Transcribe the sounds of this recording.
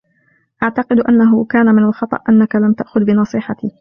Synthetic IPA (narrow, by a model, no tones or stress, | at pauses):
ʔaʕt̪ɑqɪd̪ʔanːaɦʊkaːnamɪnalxɑt̪ˤɑ̰ʔʔanːakalamt̪aʔxʊðbɪnɑsˤiːħɑt̪iː